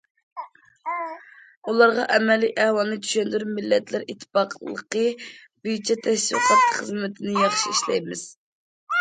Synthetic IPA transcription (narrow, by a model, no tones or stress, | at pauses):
ulˠɑɾʁɑʔɛmɛlːiʔɛhwɑlˠnɨt͡ʃ̪ʰy̥ʃɛnd̪yɾmɪlːɛt̪ʰlɪɾit̪ʰːpɑqʰlˠə̰qəbyjt͡ʃʰɛt̪ʰɛʃwḭqʰɑt̪χəzmɪt̪ʰɪnɪjɑχʃiiʃlɛjmɪz̥